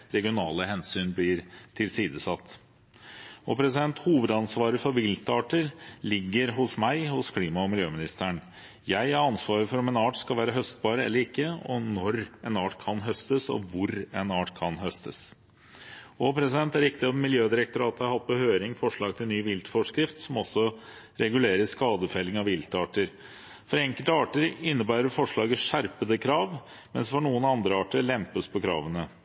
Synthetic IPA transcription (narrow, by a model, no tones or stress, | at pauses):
ɾɛɡɪʊnɑːləɦɛnsyːnblɪɾt̪ʰɪlsiːd̪əsɑt̪ː | ɔpʰɾɛsɪd̪ɛnt̪huːʋəd̪ɑnsʋɑːɾəfɔɾʋɪlt̪ɑːʈəɾlɪɡːəɾɦʊsmæɪhʊskʰliːmɑɔmɪljøːmɪnɪst̪əɳ | jæɪæɾɑnsʋɑːɾəfɔɾɔmɛnɑːʈskɑlʋæːɾəɦœst̪bɑːɾəɛ̰lːəɾɪkːəɔnɔɾɛnɑːʈkʰɑnɦœst̪əsɔ̰ʋʊɾɛnɑːʈkʰɑnɦœst̪ʰəs | ɔpʰɾɛsɪd̪ɛnt̪æɾɪkt̪ɪɔt̪mːɪljøːd̪ɪɾəkt̪ʊɾɑːt̪əhɑɾhɑt̪̚ːpɔhøːɾɪŋfɔʂɭɑːɡ̚t̪ʰɪlnyːʋɪlt̪fɔʂkɾɪft̪sɔmɔsːɔ | ɾɛɡʉleːɾəskɑːd̪əfɛlɪŋɑʋɪlt̪əɑːʈəɾ | fɔɾɛŋkəlt̪əɑːʈəɾɪnːəbæːɾəɾfɔʂɭɑːɡəʂæɾpəd̪əkʰɾɑːʋ | mɛnsfɔɳuːənɑnd̪ɾəɑːʈəɭɛmpəspʰɔkʰɾɑ̰ːʋənə